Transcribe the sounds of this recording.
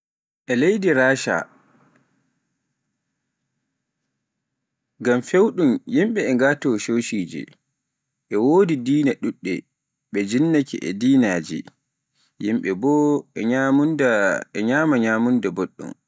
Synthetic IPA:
ʔɛlejdiɾaːʃa̰ | ɡamfewɗumjimɓɛɛŋɡaːtɔʃowʃiːd͡ʒḭ | ʔɛwoːdidiːnaɗuɗːɛ | ɓɛd͡ʒinːakḭʔɛ̰diːnaːd͡ʒḭ | jimɓɛbɔamundɛɲaːmaɲaːmundɛboɗːṵm

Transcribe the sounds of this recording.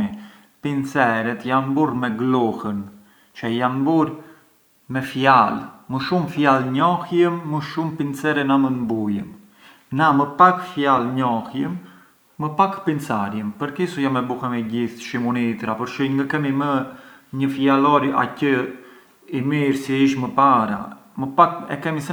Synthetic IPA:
i | pint͡sɛɾɛt̪janmbuɾmɛɡlɔhən | t͡ʃəjanbuɾ | mɛfjalməʃumfjalɲɔhjəmːəʃumpint͡sɛɾɛnamənmbujəm | naməpakfjalɲɔhjəmː | əpakpint͡saɾjəmpəɾkisujamɛbuhɛmɛɟiθʃimunit̪ɾapɔɾʃiŋɡəkɛmimə | ɲəfjalɔɾa̰cə | imiɾsiiʃməpaɾa̰ | məpakɛ̰kɛmisɛ

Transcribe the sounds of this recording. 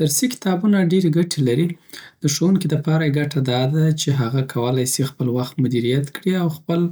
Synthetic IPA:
d̪̥aɾsikɪ̥t̪ɑbunaɖeɾeɡaʈʰelaɾid̪̥əʃowunkid̪əpɑɾajeɡaʈad̪ɑd̪at͡ʃeɦaɣakʰawəlajsexpəlwaxt̪mʊd̪iɾijat̪kɽiawxpəl

